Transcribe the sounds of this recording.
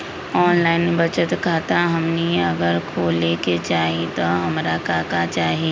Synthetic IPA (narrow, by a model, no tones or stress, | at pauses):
ɔːnlaːɪnbət͡ʃət̪kʰaːt̪aɦɐmniɐɡəɾkʰoːleket͡ʃaːɦit̪oɦɐmɾakaːkat͡ʃaːɦi